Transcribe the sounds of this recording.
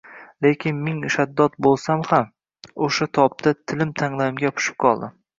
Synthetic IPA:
lekʲʰɪnmeŋʃad̪ːɒt̪̚bolˠsamham | oʃat̪ʰɒp̚t̪ʰat̪ʰɪlɪmt̪ʰaŋlˠajɪmɡʲapʰʊ̥ʃɪ̥p̚qʰɒlˠd̪ɪ

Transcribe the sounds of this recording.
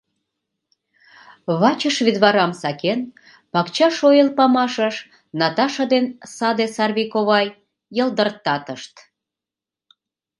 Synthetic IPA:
βɑt͡ɕəʃβid̪βɑɾɑmsɑken | pɑkt͡ɕɑʃojelpɑmɑʃəʃ | nɑt̪ɑʃəd̪ensɑd̪esɑrβikoβɑj | jəld̪ərt̪ːɑt̪əʃt̪

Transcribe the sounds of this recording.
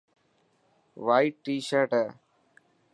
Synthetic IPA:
ʋaːiʈːiːʃəɾʈ

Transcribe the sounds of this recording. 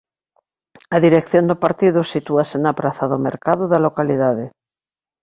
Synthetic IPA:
ɐðiɾekθjond̪ʊpaɾt̪iðʊsit̪uasenɐpɾaθɐðʊmeɾkaðʊðɐlokaliðaðɪ

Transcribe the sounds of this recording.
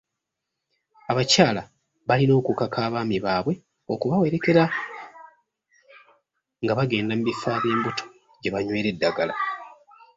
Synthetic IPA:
aβacaːla | βalino̞ːkukakʰaːβaːmiβaːβwe̞ | o̞kuβawe̞ɾe̞ke̞ɾa | ŋɡaβaɡe̞ːndam̩uβifaːβje̞ːmbutʰo̥ | ɟe̞βaɲwe̞ːɾe̞dːaɡala

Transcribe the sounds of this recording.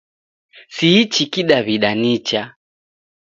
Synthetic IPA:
siːt͡ʃikiɗaβiɗanit͡ʃa

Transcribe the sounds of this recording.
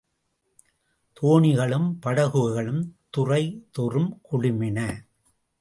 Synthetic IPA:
t̪ʰoːɳɪɣɐɭɯmpɐɽɐɣɯɐɣɐɭɯmt̪ʊrɐɪt̪ʊrɯmkʊɽɪmɪnɐ

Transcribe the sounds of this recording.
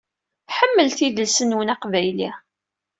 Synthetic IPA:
θħəmːəlθiðəlsənwənɑqvæjli

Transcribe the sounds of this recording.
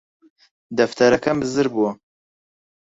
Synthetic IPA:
d̪ɐft̪ʰɐɾɐkɐmɨzɨɾbuwɐ

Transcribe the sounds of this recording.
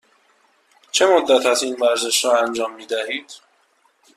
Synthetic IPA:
t͡ʃʰe̞mod̪ːæt̪ʰæt̪iːnvæɾze̞ʃɾɒːænd͡ʒɒːmːiːd̪æɦiːd̪̥

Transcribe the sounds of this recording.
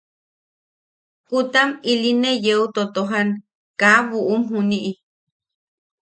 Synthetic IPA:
kut̪amilinejeut̪ot̪oɦan | kaβuʔumɦũniʔi

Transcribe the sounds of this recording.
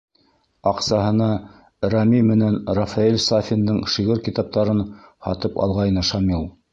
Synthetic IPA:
ɑqsɑɦɤ̆nɑ | ɾɑmimɘ̆nænrafɑilʲsafʲind̪ɤɴʃiɣɘɾkit̪ɑp̚t̪ɑɾɤnhɑ̰t̪ɤpɑ̰lˠʁɑjnɤʃɑmilˠ

